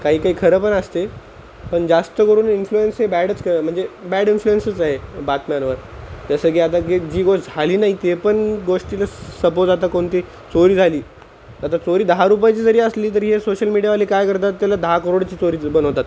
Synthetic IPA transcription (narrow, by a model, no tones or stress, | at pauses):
kaɦiːkaɦiːkʰəɾəːpəɳəst̪e | pəɳd͡zast̪əkəɾuːninfluensɦebæɽət͡skəɾəm̤əɳd͡zebæɽinfluensət͡saɦebat̪mjanʋəɾt̪asəkiːat̪akid͡ʑiːɡoʂʈd͡zʱaliːnaɦit̪epəɳɡoʂʈilasəpoɾt̪at̪akoɳt̪iː | t͡soɾiːd͡zʱaliː | at̪at͡soɾiːd̪əɦaɾup̬ajet͡ɕiːd͡zəɾiːəsliːt̪̬əɾɦesoɕəlmiɽijaʋaliːkajkəɾt̪̬at̪ːjalad̪əɦakəɾoɽt͡ɕiːt͡soɾiːbənəʋt̪at̪